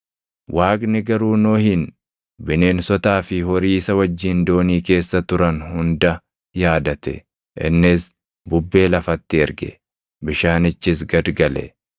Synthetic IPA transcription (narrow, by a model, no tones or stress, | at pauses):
wʔaːkʼnɪɡɐɾuːnoːhɪn | bɪne̞ːnsɔt̪aːfɪhɔɾiːsɐwɐd͡ʒːɪnd̪o̞ːniːke̞ːsːɐt̪ʊɾɐnhʊnd̪ɐ | jaːd̪ɐt̪ɛ̰ | ʔɪ̰nːɪs | bʊbːe̞ːlɐfɐt̪ːɪɛɾɡɛ̰ | bɪʃaːnɪt͡ʃːɪs̬ɡɐd̪ɡɐlɛ̰